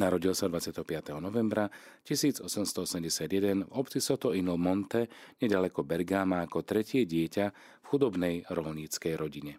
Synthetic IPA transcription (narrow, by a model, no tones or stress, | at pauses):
naɾɔɟilsad̪ʋat͡sɪat̪ɛɦɔpɪat̪ɛɦɔnɔʋɛmbɾa | cisiːd͡zɔsɛmst̪ɔɔsɛmɟɛsɪad̪jɛd̪ɛnvɔpt͡sisɔt̪ɔinulmɔnt̪ɛɲɛɟalɛkɔbɛɾɡaːmaːkɔt̪ɾɛcɪɛɟɪɛca | fxud̪ɔbnɛjɾɔlɲit͡skɛjɾɔɟiɲɛ